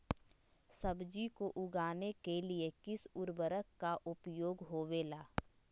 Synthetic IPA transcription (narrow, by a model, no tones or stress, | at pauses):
sɐbd͡ʒikoʔʊɡaːnekeliekɪsʊɾbəɾəkːaʔʊpjoːɡɦoːʋeːlaː